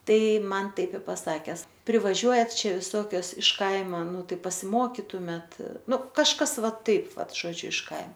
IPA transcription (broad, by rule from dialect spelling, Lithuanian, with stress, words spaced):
ˈtɐɪ ˈmɐn ˈtɐɪp ɪ pɐˈsɑːkʲɛs pʲrʲˈɪʋɐʒʲuɔjɛt ˈt͡ʃʲɛ ʋʲɪˈsoːkʲoːs ɪʃ ˈkɐɪmɐ ˈnʊ ˈtɐɪ pɐsʲɪˈmoːkʲɪtʊmʲeːt ˈnʊ kɐʃˈkɐs ˈʋɐ ˈtɐɪp ˈʋɐt ʒoːˈd͡ʒʲʊ ɪʃ kɐɪ